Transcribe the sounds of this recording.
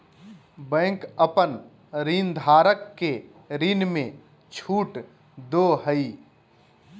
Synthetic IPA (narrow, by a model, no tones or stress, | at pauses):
bɛ̃ːŋkəpən | ɾiːnd̪ʱaːɾəkːe | ɾiːnmẽ | t͡ʃʰuːʈ | d̪oːɦəi